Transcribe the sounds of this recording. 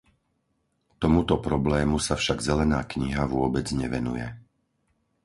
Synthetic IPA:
t̪ɔmut̪ɔpɾɔblɛːmusafʃaɡzɛlɛnaːkɲiɦaʋʊɔbɛd͡zɲɛʋɛnṵjɛ̰

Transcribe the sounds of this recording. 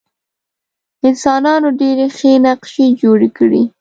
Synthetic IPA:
ɪnsɑnɑnoɖeɾexenaqʃed͡ʒoɽekəɽi

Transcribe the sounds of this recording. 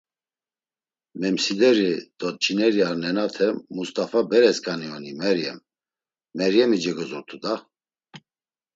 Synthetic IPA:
mɛmsid̪ɛɾid̪̥ɔt̪̚t͡ʃʰinɛɾiaɾnɛnat̪ʰɛmust̪ʼafabɛɾɛskʼaniɔnimɛɾjɛ̰mː | ɛɾjɛmid͡ʒɛɡɔzuɾt̪ʰud̪a

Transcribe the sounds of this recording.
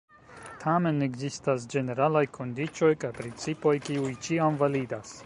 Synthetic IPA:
tʰame̞ne̞ɡzistas̬d͡ʒe̞ne̞ɾalajkʰo̞ndit͡ʃo̞jkajpɾint͡sipo̞jkiujt͡ʃiamvalidas

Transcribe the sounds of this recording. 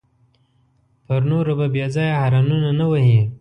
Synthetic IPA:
pəɾnoɾababjezɑjahaɾɑnunanawahi

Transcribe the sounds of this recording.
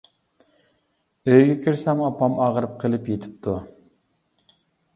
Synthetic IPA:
øjɡʲɛkʲʰiɾsɛmɑpʰɑmɑʁəɾɨp̚qʰəlˠɪpjet̪ʰɪ̥p̚t̪ʰu

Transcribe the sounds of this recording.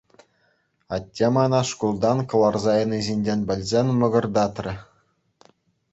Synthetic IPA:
ɑtʲːemɑnɑʂkulˠd̪ɑnkɤ̆lˠɑrzɑjɤ̆nizʲinʲdʲenʲbʲɘ̆lʲzʲenʲmɤ̆ɡɤ̆rd̪ɑt̪rʲɘ̆

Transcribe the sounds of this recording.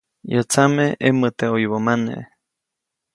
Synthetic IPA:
jot͡sameemət̪eoiβomanḛ

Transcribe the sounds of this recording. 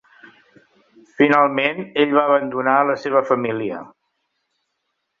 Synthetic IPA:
finalˠmeneʎβaəβ̞ənd̪unaələseβ̞əfəmiliə̰

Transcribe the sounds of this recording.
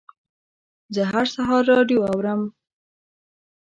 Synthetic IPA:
zəɦaɾsaɦɑɾːɑɖjoawɾəm

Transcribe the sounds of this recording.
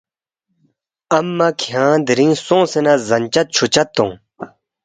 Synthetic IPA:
ɐmːɐkʰijãːd̪iɾĩːsõːsenazɐnʲt͡ɕɐt̪̚t͡ɕʰut͡ɕɐt̪ːõː

